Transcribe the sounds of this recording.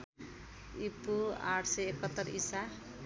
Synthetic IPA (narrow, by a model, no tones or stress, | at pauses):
ipua̰ʈʰsʌekʌt̪ːʌrisa